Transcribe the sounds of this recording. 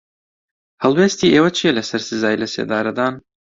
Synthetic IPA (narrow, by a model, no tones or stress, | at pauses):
hɐlˠweːst̪iːʔeːwɐt͡ʃʰijɛlɐsɐɾsɨzaːjilɐsḛːd̪aːɾɐd̪aːn